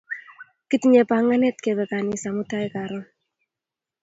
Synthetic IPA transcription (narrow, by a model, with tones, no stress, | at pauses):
ki˦tɲe˨pa˨ŋa˦nɛ˦t̚ke˨bɛ˨ka˨ni˨sa˨mu˦ta˦ɛ˦ka˨ɾɔ˦n